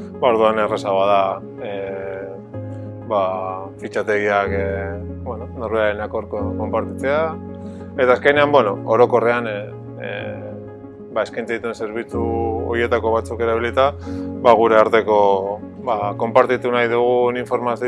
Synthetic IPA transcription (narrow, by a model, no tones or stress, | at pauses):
baoɾðuaneresaɣoað̞a | e | bafit͡ʃat̪e̞ɣiak | bwenono̞ɾβeaenakoɾkoko̞mpaɾt̪it͡se̞a | e̞t̪aːske̞jne̞ambweno̞oɾo̞ko̞re̞an | bae̞skajnt͡s̪eit̪uense̞ɾβ̞it͡suo̰ie̞t̪ako̞βat͡suke̞ɾaβ̞ilit̪aβaɣ̞uɾe̞aɾt̪e̞ko̞ | bako̞mpaɾt̪it̪unajðuɣ̞uniɱfo̞ɾmasi